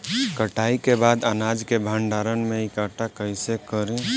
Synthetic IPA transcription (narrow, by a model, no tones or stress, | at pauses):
kəʈaikebad̪ənad͡ʒkebʱaɳɖaɾənmeikaʈakəɪsekəɾẽ